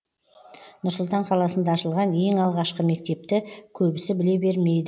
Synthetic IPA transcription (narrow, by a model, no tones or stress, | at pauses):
nʊɾsʊlˠt̪ɑɴqʰɑlˠɑsənd̪ɑːʃəlˠʁɑnje̞ŋɑlˠʁɑʃqəme̞k̚t̪e̞p̚t̪ɪkʲʰɵbɪsɪbɪle̞be̞ɾme̞jd̪ɪ